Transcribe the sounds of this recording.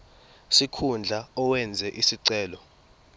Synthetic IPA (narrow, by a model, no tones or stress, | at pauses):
sikʰund͡ɮʱaɔwɛnd͡zʱɛʔisiǀɛːlɔ